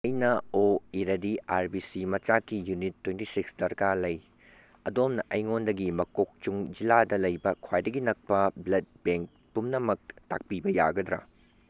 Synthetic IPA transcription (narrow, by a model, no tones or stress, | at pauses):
ɐjnɐoiɾɐdiaɾbisimɐt͡ʃakːijunitʰːwentisiksdɐɾkalɐj | ɐdomnɐʔɐjŋondɐɡimɐkok̚t͡ʃuŋd͡ʒiladɐlɐjbɐkʰwajdɐɡinɐk̚pɐblɐd̚beŋk̚ | pumnɐmɐk̚ta̰k̚pibɐja̰ɡɐd̪ɾɐ̰